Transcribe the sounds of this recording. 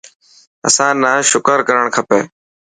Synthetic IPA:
ə̰sãːnaːʃʊkəɾkəɾəɳ̃kʰəpeː

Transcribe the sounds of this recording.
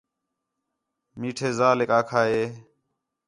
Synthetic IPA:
miːʈʰeːzaːlekaːkʰaːɦeː

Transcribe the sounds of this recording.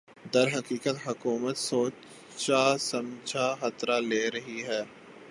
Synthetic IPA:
d̪ɐɾɦɐkiːkət̪ɦʊkuːmət̪soː | t͡ʃasɐ̃md͡ʒʱaxɐt̪ɾaleːɾɐɦiɦɛː

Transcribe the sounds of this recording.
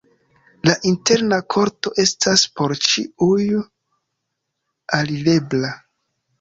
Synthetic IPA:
laʔinte̞ɾnakʰo̞ɾto̞ʔe̞staspo̞ɾt͡ʃḭuj | alile̞bla

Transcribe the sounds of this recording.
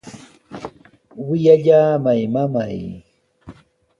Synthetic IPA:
wɪjaʎaːmajmamaj

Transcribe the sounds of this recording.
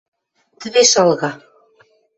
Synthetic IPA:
t̪ɘ̆βeʃɑlˠɣɑ

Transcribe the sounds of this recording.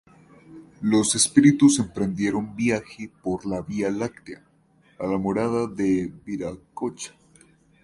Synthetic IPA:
lo̞se̞spiɾit̪use̞mpɾe̞nd̪je̞ɾombjaxepo̞ɾlaβialakt̪ea | alamoɾaðaðebiɾakot͡ʃḁ

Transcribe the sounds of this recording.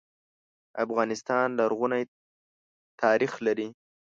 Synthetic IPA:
afɣɑnɪst̪ɑnlaɾɣʊnaj | t̪ʰɑːɾixlaɾi

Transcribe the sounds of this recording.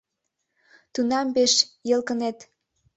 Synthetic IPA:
t̪unɑmbeʃjəlkənet̪

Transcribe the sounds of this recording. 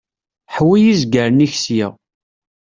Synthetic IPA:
ħwijizɡəɾəniçsjɪ̰ʁ

